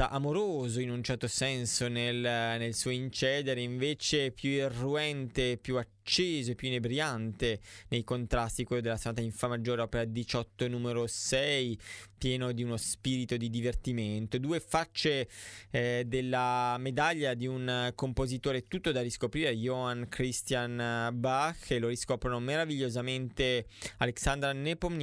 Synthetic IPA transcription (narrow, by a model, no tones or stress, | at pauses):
aʔamoɾoːzoinunt͡ʃɛrt̪osɛnsonelnelsuoint͡ʃɛːd̪eɾeiɱveːt͡ʃepjuerːuɛnt̪eːpːjuat͡ʃːeːzoepjunebɾiant̪enejkont̪ɾast̪ikwelːod̪elasanaːt̪̬aiɱfamːad͡ʒːoːɾeɔpeɾad̪it͡ʃɔt̪ːonuːmeɾosɛjpjɛːnod̪iunospiːɾit̪od̪id̪ivert̪iment̪od̪uːefat͡ʃːe | d̪elːamed̪aʎːad̪iunkompozit̪oːɾeɛt̪ːut̪ːod̪ariskopɾiːɾeajoankɾist̪janbaxeloɾiskɔpɾonomeɾaviʎːozament̪ealeksand̪ɾanepom